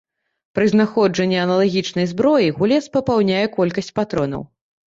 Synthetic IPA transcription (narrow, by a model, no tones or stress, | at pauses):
pɾɨznaxɔd͡ʐɐnʲːɛɐnɐlˠaɣʲit͡ʂnɐjzbɾɔjiɣulʲɛspɐpawnʲajɛkɔlʲkɐsʲt͡sʲpat̪ɾɔnɐ̰w